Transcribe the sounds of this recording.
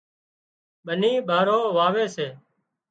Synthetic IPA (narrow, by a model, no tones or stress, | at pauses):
ɓəniːɓaːɾoːʋaːʋeːseː